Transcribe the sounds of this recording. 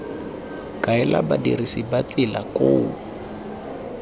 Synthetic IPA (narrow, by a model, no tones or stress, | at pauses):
kaɛla̰badirisibat͡sɪlakoʊː